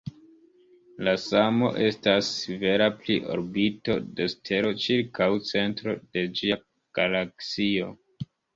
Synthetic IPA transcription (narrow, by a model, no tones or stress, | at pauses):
lasamo̞̰ʔe̞stasːive̞ɾapliʔo̞̰ɾbito̞de̞stʰe̞ɾo̞t͡ʃiɾkawt͡se̞ntɾo̞d̥e̞d͡ʒia | ɡ̥alaksio̞